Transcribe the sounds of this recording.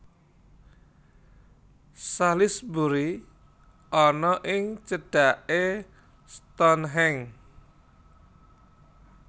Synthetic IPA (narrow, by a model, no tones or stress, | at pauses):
salɪsbuɾi | ʔɔnɔʔɪŋt͡ʃəɖ̥a̤ʔe | st̪ɔnɦɛŋ